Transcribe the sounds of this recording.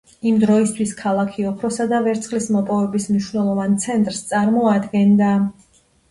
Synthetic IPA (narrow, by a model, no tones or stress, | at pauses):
imd̪ɾɔist̪ʰwiskʰalˠakʰiɔpʰɾɔsad̪avɛɾt̪sʰχlismɔpʼɔvɛbismniʃwnɛlˠɔvant̪sʰɛnt̪ʼɾst̪sʼaɾmɔad̪ɡɛnd̪a